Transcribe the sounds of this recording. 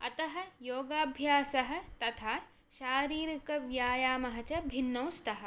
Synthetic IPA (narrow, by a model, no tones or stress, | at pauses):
ɐ̰t̪ɐɦɐ̆joːɡaːbʱjaːsɐɦɐ̆t̪ɐt̪ʰaː | ʃaːɾiːɾɐkɐʋjaːjaːmɐɦɐt͡ʃɐbʱinːɐwst̪ɐɦɐ̆